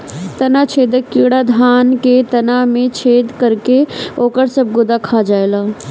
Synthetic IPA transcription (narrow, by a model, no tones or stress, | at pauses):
t̪ɐnat͡ʃʰeːd̪əkːiːɽad̪ʱaːnket̪ɐnamẽt͡ʃʰeːd̪kəɾkeoːkəɾsəb̚ɡʊd̪akʰad͡ʒaːelaː